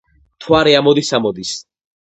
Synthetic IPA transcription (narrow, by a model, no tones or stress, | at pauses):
t̪ʰwaɾɛamɔd̪isamɔd̪is